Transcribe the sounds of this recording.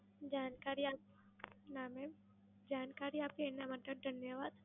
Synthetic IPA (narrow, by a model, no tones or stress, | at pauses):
d͡ʒaːnkaːɾiaːp̚ | naːme | d͡ʒaːnkaːɾiaːpenamɐt̪ɐɾd̪ʱɐnjəʋaːd̪